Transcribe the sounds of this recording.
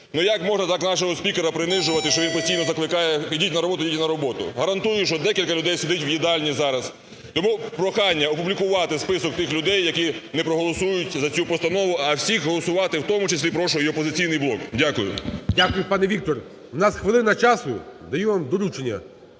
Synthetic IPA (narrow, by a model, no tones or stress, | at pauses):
nujɐkmɔʒnɐt̪ɑknɑʃɔɦɔsʲpʲikeɾɐpɾɪnɪʒʊʋɐt̪ɪʃt͡ʃɔʋinpɔsʲtʲijnɔzɐklˠɪkɑjɛidʲitʲnɐɾɔbɔt̪ʊjdʲit̪ʲnɐɾɔbɔt̪ʊ̰ɦɐɾɐnt̪ujʊʃt͡ʃɔd̪ɛkʲilʲkɐlʲʊd̪ɛjsʲɪd̪ɪtʲwjid̪ɑlʲnʲizɑɾɐs | t̪ɔmupɾɔxɑnʲːɐɔpublʲikʊʋɑt̪ɪspɪsɔkt̪ɪxlʲʊd̪ɛjːɐkʲinɛpɾɔɦɔlˠɔsujʊtʲzɐt͡sʲupɔst̪ɐnɔʋʊɐwsʲixɦɔlˠɔsʊʋɑt̪ɪwt̪ɔmʊt͡ʃesʲlʲipɾɔʃʊɦɔjɔpɔzɪt͡sʲijnɪjblˠɔkdʲakʊjʊ̰dʲakʊjʊpɑnɛʋʲik̚t̪ɔr | nɑsxʋɪlˠɪnɐt͡ʃɑsʊd̪ɐjuʋamd̪ɔlʲut͡ʃenʲːɐ̰